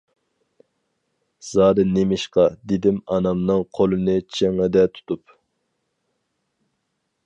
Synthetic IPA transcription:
z̥ɑːɾɨnemɪʃqɑd̪ed̪ɪmɑnɑmnɨŋqʰolˠɨnɨt͡ʃʰeŋɨd̪ɛt̪ʰu̥t̪ʰup

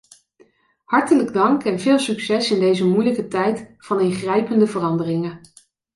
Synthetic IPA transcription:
hɑɹtələɡdɑŋkɛnvɪːlˠsyksɛsɪndejzəmujləkətɛjtfɑnɪnχrɛjpəndəvərɑndərɪŋə

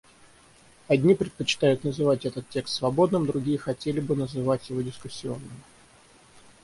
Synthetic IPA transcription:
ɐdʲnʲipɾʲɪt̪̚pət͡ɕɪ̥t̪ajʊt̪nəzɨvatʲɛt̪ət̪tʲːe̞kst̪svɐbo̞d̪nɨmd̪ɾʊɡʲijəxɐtʲelʲɪbɨnəzɨvatʲjɪvo̞dʲɪskʊsʲːɪo̞nːɨmʲɪ

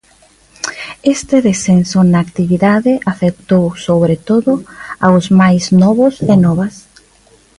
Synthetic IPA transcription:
est̪eðesensonaːkt̪iβiðaðɪʔafek̚t̪owsoβɾet̪oðʊawzmajznɔβʊsenɔβas

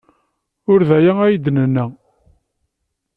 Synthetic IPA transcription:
ʊɾðæjææjəd̪nənːæ

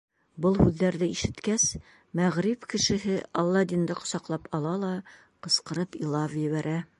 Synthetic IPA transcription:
bɤlˠhʉðːæɾðɘiʃɘ̆t̪kæs | mæʁɾipkɘ̆ʃɘ̆ɦɘʔɒlˠːɑd̪ind̪ɤqŏ̥sɑqlˠɑpʰɑlˠɑlˠɑ | qɤ̆sqɤ̆ɾɤpilˠɑvjɘ̆βæɾʔæ

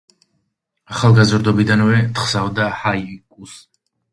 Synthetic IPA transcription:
aχalˠɡazɾd̪ɔbid̪anvɛt̪χsavd̪ahaikʼus

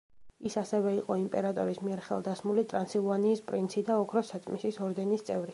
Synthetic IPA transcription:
isasɛvɛiqʼɔimpʼɛɾat̪ʼɔɾismiɛɾχɛ̰lˠd̪asmulit̪ʼɾansilˠvaniːspʼɾint̪sʰid̪aɔkʰɾɔsat̪ʼmisisɔɾd̪ɛnist̪sʼɛvɾi

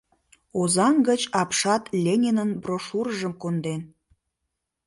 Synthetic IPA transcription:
ozɑŋɡət͡ɕɑpʃɑt̪lʲenʲenənbroʃuɾəʒəmkond̪en

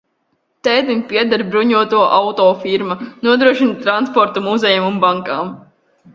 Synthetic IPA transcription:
t̪ɛjd̪inʲpʲiɛd̪aɾbɾuɲuɔt̪uɔʔawt̪ɔːfiɾmanuɔd̪ɾuɔʃint̪ɾanspɔɾt̪umuzʲɛjamumbaŋkaːm

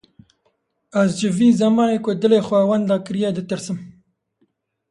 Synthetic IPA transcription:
azd͡ʒɪviːzɐmɑːnekod̪ɨlexwawand̪aːkɾijed̪ɨt̪ɨɾsɨm

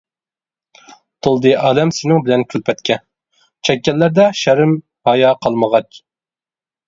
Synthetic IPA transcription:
t̪ʰolˠd̪ɨʔɑːlɛmsɪnɪŋbɪlɛnkʲʰylpʰɛt̪kʲʰɛ | t͡ʃʰɛkʲːɛlːæɾd̪ɛʃæɾɪm | hɑjɑqʰɑlˠməʁɑt͡ʃ

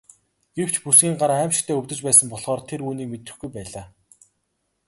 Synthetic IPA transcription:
ɡ̥ew̥t͡ɕʰpusɡʲiːŋɢaɾaːæːmʃɪ̥̆kt̪ʰæːɵwʲt̪ɵ̆t͡ɕpæːsə̆mpɔɮχɔːrt̪ʰeɾuːniːk̚met̪ɘ̆xɡujpæːɮaː

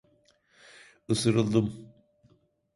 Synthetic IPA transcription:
ɯsɯɾɯlˠd̪ɯm

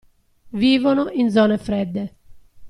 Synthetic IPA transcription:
viːvonoʔind̪zɔːnefɾɛd̪ːe

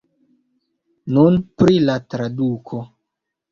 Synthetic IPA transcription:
nunpɾilatɾadukʰo̞

